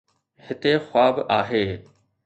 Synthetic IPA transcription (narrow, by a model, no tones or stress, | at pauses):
hɪt̪exʊaːbʔaːɦeː